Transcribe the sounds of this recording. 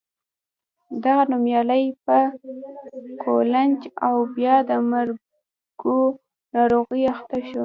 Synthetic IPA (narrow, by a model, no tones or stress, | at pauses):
d̪aɣanumjɑləjpə | kʰoland͡ʒawbjɑd̪əmaɾ | ɡ̥o | nɑɾoɣiaxt̪aʃo